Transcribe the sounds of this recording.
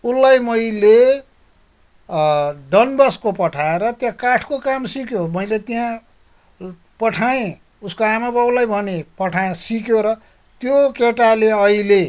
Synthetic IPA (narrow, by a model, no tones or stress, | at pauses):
ulːajmʌjle | ɖʌnbʌskopʌʈʰaeɾʌt̪jãkaʈʰkokamsikjomʌjlet̪jã | pʌʈʰaẽ | uskoamabablajbʱʌnepʌʈʰaẽsikjoɾʌ | t̪jokeʈaleʌile